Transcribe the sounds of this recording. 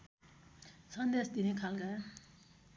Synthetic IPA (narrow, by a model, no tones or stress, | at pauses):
sʌnd̪esd̪inekʰalka